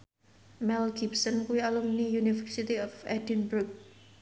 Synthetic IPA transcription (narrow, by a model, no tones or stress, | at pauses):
mɛlɡipsənkuwialumnijunifərsit̪iɔfɛdinbɾʊk̚